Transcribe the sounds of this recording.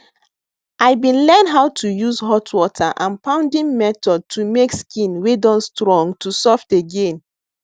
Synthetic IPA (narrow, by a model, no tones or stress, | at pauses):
ʔaɪbĩnlɛ̃nɦaʊtʰujuzɦɔtʰwɔtʰaʔãnpãʊ̃ndĩnmɛtɔd̚tʰumekskĩnwedɔ̃nstɹɔ̃ŋɡtʰusɔfteɡẽn